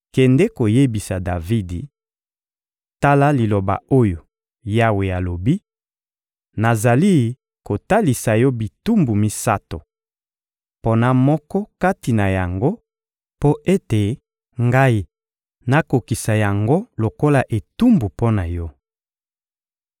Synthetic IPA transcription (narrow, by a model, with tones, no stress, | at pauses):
kɛ˨ndɛ˦ko˨je˦bi˨sa˨da˨vi˦dḭ˨ | ta˦la˦li˨lo˨ba̰˨o˦jo˨ | ja˦we˨ja˨lo˨bi˦ | na˨za˨li˦ | ko˨ta˦li˨sa˨jɔ˦bi˨tu˦mbu˨mi˦sa˦to˨ | po˦na˦mɔ˦kɔ˦ka˦ti˨na˨ja˨ŋɡo˦ | po˦ʔe˦te˨ | ŋɡa˦i˦ | na˦ko˨ki˨sa˨ja˨ŋɡo˦lo˨ko˦la˨ʔe˨tu˦mbu˨po˦na˨jɔ˦